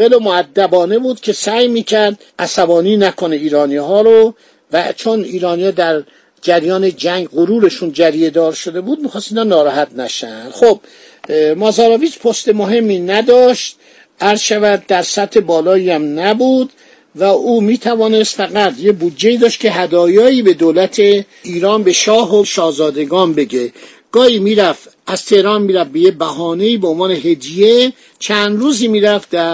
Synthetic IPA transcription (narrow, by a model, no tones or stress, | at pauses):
elomoæd̪ːæbɒːne̞buːd̪̥kʲʰe̞sæjmiːcʰæɾd̪ | ʔæsæbɒːniːnækʰoneiːɾɒːniɦɒːɾo | væt͡ʃʰoniːɾɒːniːɒːd̪æɾ | d͡ʒæɾjɒːned͡ʒæŋɡɢoɾuːɾe̞ʃund͡ʒæɾije̞d̪ɒːɾʃod̪e̞buːd̪̚mixɒːst̪iːnɒːnɒːɾɒːhæt̪̚næʃænd̪̥xob̥̚ | mɒzɒːɾɒːviːt͡ʃpʰost̪e̞moɦe̞mːiːnæd̪ɒːʃt̪̚ | ʔæɾzʃævæd̪̚ːæɾsæt̪ʰhe̞bɒːlɒːiːæmnæbud̪ | væʔuːmiːt̪ʰævɒːne̞st̪fæɡæt̪jebud̪d͡ʒeiːd̪ɒːʃt̪̚kʰeɦæd̪ɒːjɒːiːbe̞d̪olæt̪ʰe | iːɾɒːnbe̞ʃɒːɦoʃɒːhzɒːd̪e̞ɡɒːnbe̞ɟe | ɡ̥ɒːhiːmiːɾæf | ʔæzt̪ʰe̞hɾɒːnmiːɾæfbejebæɦɒːne̞iːbeonvɒːne̞ɦed̪ije | t͡ʃʰænd̪ɾuːziːmiːɾæfd̪æ